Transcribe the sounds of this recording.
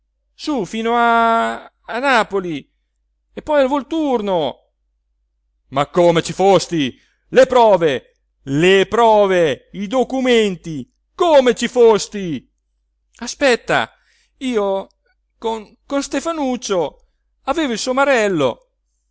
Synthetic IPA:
sufiːnoaː | naːpoli | epːɔjalvolt̪urno | makːomet͡ʃifost̪i | lepɾɔːve | lepɾɔːveid̪okument̪i | komet͡ʃifost̪i | aspɛt̪ːa̰ | iːo | koŋ | konst̪efanut͡ʃːo | aveːvoilsomaɾɛlːo̰

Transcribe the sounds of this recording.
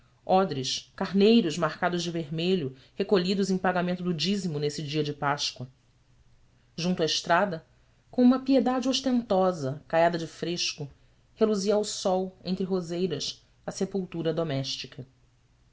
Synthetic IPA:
ɔd̪ɾɪʃkaɾnejɾʊzmahkad̪ʊzd͡ʒɪveɾmeʎʊ | hekoʎid̪ʊzẽj̃paɡamẽnt̪ʊd̪ʊd͡ʒizimʊnesɪd͡ʒiɐd͡ʒɪpaʃkwɐ | ʒũnt̪uɐɪʃt̪ɾad̪ɐ | kõũmɐpied̪ad͡ʒɪoʃt̪ẽnt̪ɔzɐkajad̪ɐd͡ʒɪfɾeʃkʊ | heluziɐawsɔwḛ̃nt̪ɾɪɦozejɾɐs | ɐsepuwt̪uɾɐd̪omɛʃt͡ʃikʰɐ

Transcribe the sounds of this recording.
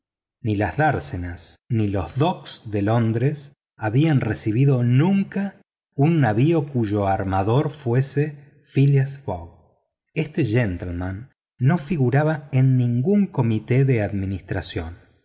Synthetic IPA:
nilazðaɾsenasnilo̞zðoksðelo̞nd̪ɾes | aβianresiβ̞iðo̞nũŋka | unːaβio̞kuʒo̞aɾmaðo̞ɾfwe̞se | filjasfo̰ɣ | est̪eʒent̪elmãnː | o̞fiɣuɾaβaenːĩŋɡuŋko̞mit̪eðeaðminist̪ɾasjo̞n

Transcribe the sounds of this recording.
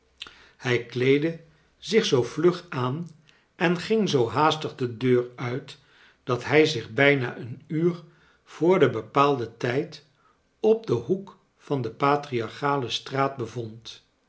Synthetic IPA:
hɛjklejdə | zɪχsowvlɵχaːn | ʔɛnχɪŋzowɦaːstəχdədøːrœɥt | d̥ɑtɦɛjzɪχbɛjna̰ːʔənyːr | v̥ʊːɹdəbəpaːlˠdətɛjt | ɔb̚dəɦuk | fɑndəpaːtriɑɹχaːləstraːd̚bəvɔnt

